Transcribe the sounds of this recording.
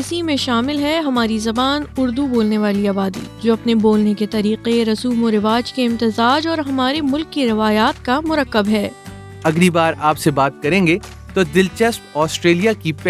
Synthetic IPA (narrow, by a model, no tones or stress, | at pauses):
ɪsimẽʃaːmɪlɦɛɦɐmaːɾizɐbaːnʊɾd̪uboːlneʋaːliaːbaːd̪ḭd͡ʒoːɐpneboːlneket̪ɐɾiːqeɾɐsuːmoɾɪʋaːd͡ʒkeɪ̃mt̪ɪzaːd͡ʒɔːɾɦɐmaːɾemʊlkːiɾɪʋaːjaːt̪̚kamʊɾəkːəbɦɛː | ɐɡɾibaːɾaːpsebaːt̪̚kɐɾẽːŋɡe | t̪od̪ɪlt͡ʃɛspɔːsʈɾeːlijakipɛ